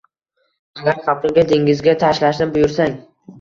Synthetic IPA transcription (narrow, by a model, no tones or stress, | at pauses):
aɡʲaɾχapɪɡʲad̪eŋʲɪzɡʲat̪ʰaʃlaʃnɪbʊjʊɾsaŋ